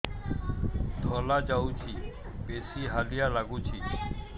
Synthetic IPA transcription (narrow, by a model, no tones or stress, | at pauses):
d̪ʱoːlaːd͡ʒaːuːt͡ʃʰiː | peːsiːɦaːlɪjaːlaɡũːt͡ʃʰiː